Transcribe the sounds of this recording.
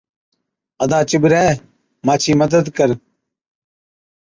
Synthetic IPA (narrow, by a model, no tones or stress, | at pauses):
əd̪aːt͡ʃɪbɾɛː | maːt͡ʃʰiːməd̪əd̪kəɾ